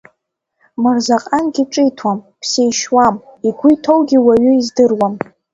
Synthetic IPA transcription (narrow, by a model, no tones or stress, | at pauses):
marzaqʼanɡʲiʈ͡ʂʼɨjtʰwam | pʰsejʃwamiɡʷʊjtʰo̞wɡʲiwaɥʏizdɨrwam